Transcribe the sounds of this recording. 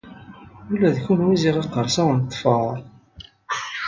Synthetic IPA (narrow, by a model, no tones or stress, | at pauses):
ulːæðçunwiziʁɑqːəɾˤsæwnt̪ˤːfɑɾˤ